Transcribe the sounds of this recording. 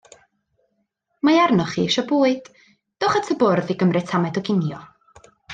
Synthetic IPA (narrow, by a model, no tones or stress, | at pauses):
majarnɔχḭːʃɔboːɨd̥ | d̥oːχatʰəbʊrðiɡəmrɨtʰamɛdɔɡɪnjɔ